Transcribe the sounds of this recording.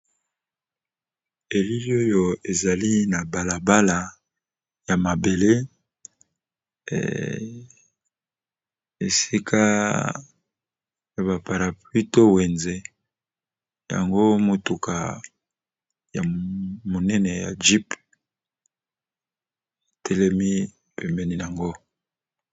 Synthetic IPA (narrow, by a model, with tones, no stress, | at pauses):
e˨li˦li˦o˦jo˦˨e˨za˨li˦na˨ba˨la˨ba˦la˨ | ja˨ma˨be˨le˦ | e˨si˦kʰa˦ | ja˨ba˨pa˨ʁa˨pi˦to˦wɛ˨nze˨ | ja̰˨ŋɡo˦mo˨tu˨kʰa̰˨ | ja̰˨mo˨nɛ˦nɛ˨ja̰˨d͡ʒi˦p | e˨tʰɛ˦lɛ˦mi˦˨ | pɛ˨mbɛ˦ni˦ja˨ŋɡo˦